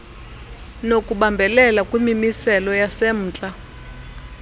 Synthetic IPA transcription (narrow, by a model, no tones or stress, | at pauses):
nokʼuɓambʱɛlɛlakʼwimimisɛlɔjasem̩ːt͡ɬʼa